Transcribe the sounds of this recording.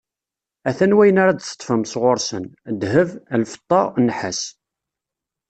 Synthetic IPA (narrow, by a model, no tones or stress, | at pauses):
æθænwæjənaɾad̪sə̥t̪ˤːfəmsʁoɾsənd̪həvəlfə̥t̪ˤːɑnːħəs